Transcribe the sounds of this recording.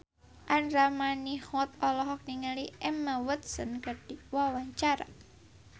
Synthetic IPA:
ʔanramanihɔt̪̚ɔlɔɦɔk̚niŋaliɛmawət̪̚sənkɨrd̥iwawaɲt͡ʃaɾa̰

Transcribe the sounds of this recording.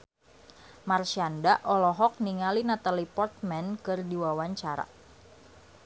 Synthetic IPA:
marsiandaʔɔlɔɦɔk̚niŋalinat̪alipɔrt̪̚mɛnkɨrdiwawaɲt͡ʃaɾa̰

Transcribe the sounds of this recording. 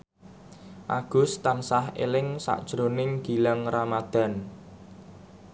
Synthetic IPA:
ʔaɡ̥ʊ̤st̪ansahḛlɪŋsa̰ʔd̥ʒ̥ɾonɪŋɡ̥i̤laŋramad̪̥a̤n

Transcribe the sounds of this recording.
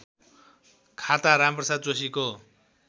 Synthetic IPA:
kʰat̪aɾamprʌsad̪̚d͡zosiko

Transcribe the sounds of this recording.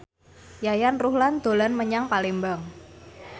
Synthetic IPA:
jajanruhland̪̥o̤lanməɲaŋpalembaŋ

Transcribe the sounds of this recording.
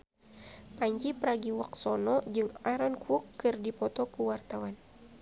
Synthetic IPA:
paɲd͡ʒipɾaɡiwak̚sɔnɔd͡ʒɨŋaɾɔnkuukːɨrdipɔt̪ɔkuwart̪awan

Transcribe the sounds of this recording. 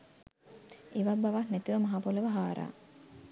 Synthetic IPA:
eʋabaʋahnɛt̪iʋəmɐɦapoleʋəɦaːɾa̰ː

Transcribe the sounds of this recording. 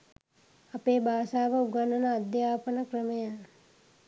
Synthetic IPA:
ɐpeːbʱaːsaːʋəuɡanənəːd̪jaːpənəkrəməja

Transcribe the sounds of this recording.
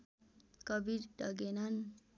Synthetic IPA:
kʌbiɾɖʌɡenʌn

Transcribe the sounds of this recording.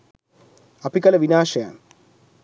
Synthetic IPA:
ɐpikɐlɐʋinaːʃɐja̰m

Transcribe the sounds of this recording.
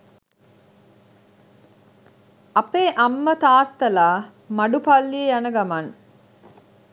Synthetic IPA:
ʔɐpeːʔɐmːət̪aːt̪ːɐlaː | mɐɖupɐlːiejɐnɐɡɐmɐn

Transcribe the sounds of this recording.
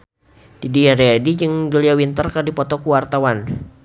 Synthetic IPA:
d̥idiaɾeadid͡ʒɨŋd͡ʒuliawint̪ərkərdipɔt̪ɔkuwart̪awan

